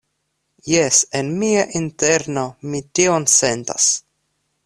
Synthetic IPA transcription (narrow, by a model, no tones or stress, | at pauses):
jesenmiaʔint̪eɾnomit̪ionsent̪a̰s